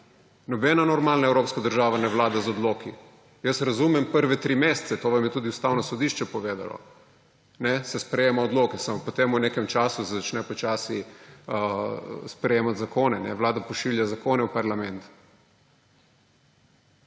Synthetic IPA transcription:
nɔbɛnanɔɾmaːlnaɛwɾoːpskad̪əɾʒaːʋanɛʋlaːd̪azɔd̪loːki | jəsɾazuːmɛmpəɾʋɛt̪ɾiːmeːst̪sɛt̪oːʋamjɛt̪uːd̪iust̪aːwnɔsɔd̪iʃt͡ʃɛpɔʋeːd̪a̰lɔ̰ | nɛsɛspɾɛjeːmaɔd̪loːkɛsamɔpɔt̪emunekɛmt͡ʃaːsusɛzat͡ʃnɛpɔt͡ʃaːsi | spɾɛjeːmat̪zakoːnɛnɛʋlaːd̪apɔʃiljazakoːnɛwpaɾlamɛnt̪

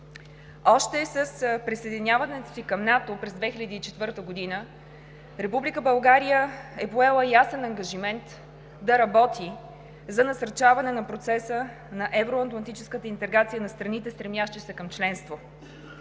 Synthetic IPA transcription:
ɔʃt̪ɛsəspɾisɛːd̪inʲjavɐnɛt̪o̥sikəmnat̪opɾɛzd̪vɛxilʲəd̪iːt͡ʃɛt̪vɤɾt̪əɡod̪inə | ɾɛpublikəbɐlˠɡaɾijəɛpoɛlˠəjasɛnɐŋɡɐʒimɛnt̪ | d̪ɐɾɐbɔt̪ʰi | zɐnɐsɐɾt͡ʃavɐnɛnɐpɾot̪sɛsə | nɐʔɛvɾʊɐt̪lˠɐnt̪it͡ʃɛskət̪əint̪ɛɡɾat̪sijənɐst̪ɾɐnit̪ɛst̪ɾɛmjaʃt̪ɛsɛkɐmt͡ʃlɛnst̪vo

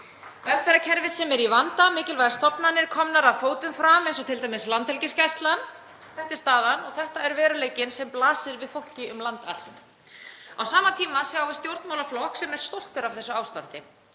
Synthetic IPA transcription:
vɛlfɛɾacʰɛɾvɪsɛmɛɾivant̪amɪːcɪlvajðɪɾst̪ɔpnanːɪɾ̥kʰɔmnaɾaðfoːwt̪ʏnfɾamensɔt̪ʰɪlt̪ajmɪslant̪hɛlcɪscast̪lan | θɛht̪ɪ̥st̪aːðanɔɣθɛht̪aɛɾvɛːɾʏleːjcɪnsɛmplaːsɪɾvɪðfowl̥cɪʏmlant̪al̥t̪ | awsaːmat̪ʰiːmasjawvɪst̪jowɾt̪mawlaflɔhksɛmɛɾ̥st̪owl̥t̪ʏɾavθɛsʏawst̪ant̪ɪ

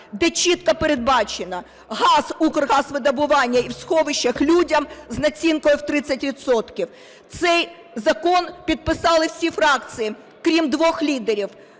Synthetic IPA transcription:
d̪ɛt͡ʃʲit̪kɐpeɾed̪̚bɑt͡ʃenɐ | ɦɑsukrɦɑsʋɪd̪ɐbʊʋɑnʲːɐiwsxɔʋɪʃːɐxlʲudʲɐmznɐt͡sʲinkɔjʊwt̪ɾɪt͡sʲːɐtʲʋʲit̪sɔt̪kʲiw | t̪sɛj | zɐkɔnpʲid̪̚pɪsɑlˠɪwsʲifɾɑkt͡s̪ʲɨji | kɾʲimd̪ʋɔxlʲid̪eɾʲiw

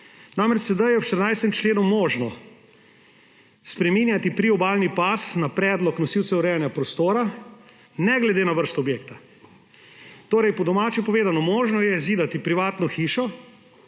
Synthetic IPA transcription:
namɾɛt͡ʃsɛd̪ajɛwʃt̪əɾnajst̪ɛmt͡ʃleːnumɔːʒnɔ | spɾɛmiːnjat̪ipɾiɔbaːlnipasnapɾɛːd̪lɔknɔsiwsɛuɾɛjanjapɾɔst̪oːɾa | nɛɡlɛd̪eːnaʋəɾst̪ɔːbjeːk̚t̪a | t̪oːɾɛjpɔd̪ɔmaːt͡ʃɛpɔʋeːzanɔmɔːʒnɔjɛziːd̪at̪ipɾiʋaːt̪nɔxiːʃɔ

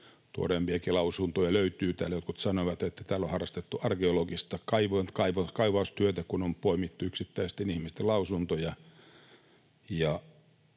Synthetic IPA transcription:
t̪uo̰reːmpiɑkilɑusunt̪ojɑløyt̪yːt̪æ̰ːlːæjot̪kut̪sɑnoʋɑt̪et̪ːæ̥t̪æːlːohɑrːˑɑst̪et̪ːuɑrkeoloɡist̪ɑkɑiʋonkɑiʋɑkɑiʋɑust̪yøt̪ækunompoimit̪ːuyksit̪ːæisest̪enihmist̪elɑusunt̪ojɑ | jɑ

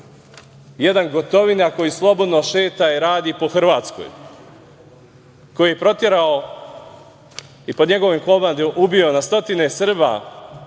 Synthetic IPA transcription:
jed̪anɡo̞t̪o̞ʋinako̞jislˠo̞bo̞d̪noʃe̞ːt̪aiɾaːd̪ipo̞xr̩ʋaːt̪sko̰j | ko̞jijepɾo̞t̪je̞ɾao | ipod̪ɲe̞ɡo̞ʋimkˠoband̪emʔubio̞nast̪o̞t̪ine̞sr̩ba̰

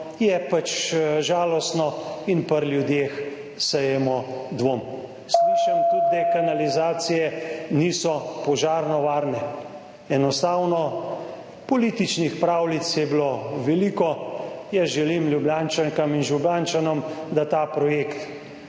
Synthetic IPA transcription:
jɛpat͡ʃʒaːlɔst̪nɔinpəɾlʲjud̪jeːx | səjɛmɔd̪ʋoːm | sliːʃamt̪ud̪̚d̪ɛkanalizaːt̪sijɛniːsɔpɔʒaːɾnɔʋaːɾnɛ | ɛnɔst̪aːwnɔ | pɔliːt̪it͡ʃnixpɾaːwlit̪sjɛbloʋɛliːkɔjɛʒɛlimlʲjubjaːnt͡ʃaŋkaminʒublaːnt͡ʃanɔmd̪at̪aːpɾɔjekt̪

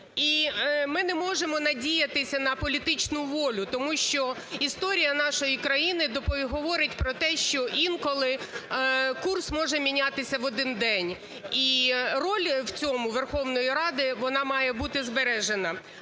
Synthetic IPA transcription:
imɪnɛmɔʒemɔnɐdʲijɐt̪ɪsʲɐnɐpɔlʲit̪ɪt͡ʃnʊʋɔlʲʊt̪ɔmuʃt͡ʃɔist̪ɔɾʲijɐnɑʃɔjikɾɐjinɪd̪ɔpɔɦɔʋɔɾɪtʲpɾɔt̪ɛʃt͡ʃɔʔinkɔlˠɪ | kursmɔʒɛmʲinʲat̪ɪsʲɐʋɔd̪ɪnd̪ɛnʲ | irɔlʲwt͡sʲɔmʊʋerxɔwnɔjiɾɑd̪ɪʋɔnɑmɑjɛbut̪ɪzbeɾɛʒenɐ

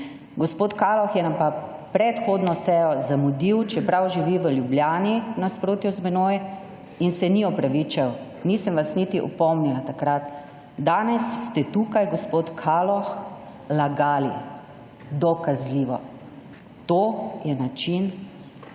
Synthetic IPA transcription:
ɡɔspoːt̪kaːlɔxjɛnampa | pɾɛt̪xoːd̪nɔsɛːjɔzamud̪iwt͡ʃɛpɾawʒiʋiʋəljublʲjaːninaspɾoːt̪juzmɛnoːjɛ | insɛniɔpɾaʋit͡ʃaw | nisəmʋasnit̪iʔɔ̰pɔmnilat̪akɾat̪ | d̪aːnɛsːt̪ɛt̪ukajɡɔspoːt̪kʰaːlɔx | laɡaːli | d̪ɔkazliːʋɔ | t̪oːjɛnat͡ʃin

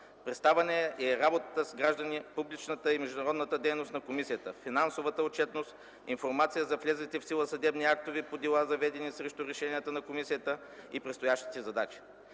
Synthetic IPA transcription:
pɾɛt̪st̪avɐnɛɛɾabot̪ət̪əsɡɾaʒd̪ənipublit͡ʃnət̪əimɛʒd̪ʊnɐɾɔd̪nət̪əd̪ɛjnost̪nɐkomisijət̪əfinansovət̪əot͡ʃɛt̪nost̪ | infoɾmat̪sijəzɐflʲɛzit̪ɛfsilˠəsɐd̪ɛbniak̚t̪ovipod̪ɛlˠazɐvɛd̪ɛnisɾɛʃt̪uɾɛʃɛniət̪ənɐkomisijət̪ə | ipɾɛt̪st̪ojaʃt̪i̥t̪ɛzɐd̪at͡ʃi̥

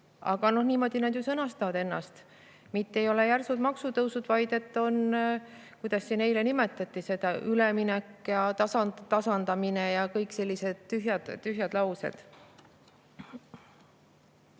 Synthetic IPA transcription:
ɑ̰ɡ̥ɑno̞hniːmo̞d̪̥ʲinɑd̪jusɤnɑst̪ɑvɑd̪e̞nːɑst̪ | mit̪ːe̞jo̞le̞jærsut̪mɑksut̪ɤwsud̪̥vɑjd̪e̞t̪ːo̞n | kujd̪̥ɑsːine̞jle̞nimet̪ːˑɑt̪ːˑise̞d̪̥ɑʔyleminekːjɑt̪ɑsɑnt̪ɑsɑnd̪̥ɑminejɑkɤjkˑse̞lʲːise̞d̪̥t̪yɦjɑd̪̥t̪ːyɦjɑd̪lɑwse̞̰d̪̥

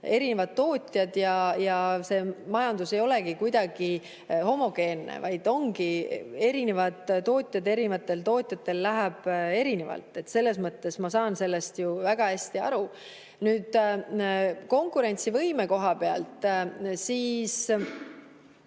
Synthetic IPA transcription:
e̞ɾine̞vɑd̪̥t̪ːo̞ːt̪ʲjɑd̪̥jɑjɑse̞ːmɑjɑnd̪̥use̞jo̞le̞ɡikujd̪̥ɑɡ̥i | ho̞mo̞ɡ̥e̞ːnːḛvɑjd̪̥o̞ŋɡie̞ɾine̞vɑd̪̥t̪o̞ːt̪ʲˑjɑd̪e̞ɾinevɑt̪ˑːelt̪o̞ːt̪ʲˑjɑt̪ːe̞lːæɦæb̥e̞ɾine̞vɑ̰lt̪ːˑe̞t̪ːse̞lːe̞s̬mɤt̪ːe̞smɑsɑːnse̞lːe̞st̪juvæɡ̥ɑhæsʲt̪iɑ̰ɾu | nyːd̪̥ | ko̞ŋkuɾe̞nʲt̪sivɤjme̞ko̞ɦɑpe̞ɑ̰lt̪ˑsiːs

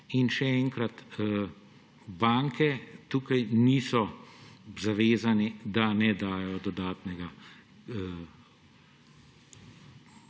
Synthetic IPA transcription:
inʃɛɛŋkɾat̪ | baːŋkɛt̪uːkajniːsɔ | zaʋeːzanɛd̪anɛd̪aːjɔd̪ɔd̪aːt̪nɛɡa

